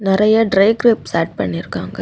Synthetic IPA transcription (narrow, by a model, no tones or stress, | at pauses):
nɪɾɐjɐɖɾɐɪɡɾɪpsaːʈ̚pɐɳːɪɾɯkːaːŋɡɐ